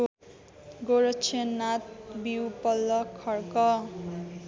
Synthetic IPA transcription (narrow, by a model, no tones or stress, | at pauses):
ɡoɾʌt͡sʰenːat̪̚biwpʌlːʌkʰʌrkʌ